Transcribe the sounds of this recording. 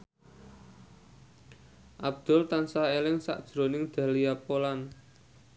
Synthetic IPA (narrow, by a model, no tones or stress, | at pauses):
ʔab̚d̪̥ɔ̤lt̪ansaelɪŋsa̰ʔd̥ʒ̥ɾo̤nɪŋd̪̥a̤liapolan